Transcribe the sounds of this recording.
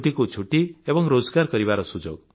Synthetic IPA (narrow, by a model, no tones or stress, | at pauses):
ʈikut͡ʃʰuʈiebɔŋɾod͡ʒɡaɾkɔɾiβaɾɔsud͡ʒo̰ɡ